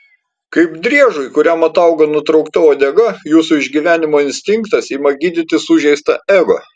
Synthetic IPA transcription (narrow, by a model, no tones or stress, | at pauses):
kɐɪbd̪ʲɾʲiɛʒʊɪkʊɾʲæmɐt̪ɐʊɡɐnʊt̪ɾɐʊkt̪ʲɛoːd̪ʲɛɡɐjuːsʊɪʒʲɡʲiʋʲæːnʲɪmoːɪnʲsʲt̪ʲɪŋkt̪ɐsiːmɐɡʲiːd̪ʲɪt̪ʲɪsʊʒʲɛɪst̪ɐɛːɡɐ̰